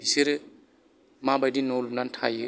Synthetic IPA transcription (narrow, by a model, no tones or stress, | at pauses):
siɾ | mabadinːɔlumnantʰa̰je